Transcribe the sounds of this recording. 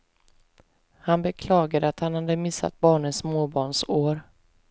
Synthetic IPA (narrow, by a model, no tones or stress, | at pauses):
hanbɛkʰlɑːɡad̪əat̪hanhad̪əmɪsːa̰t̪̚bɑːɳəsmoːbɑːɳʂoːɾ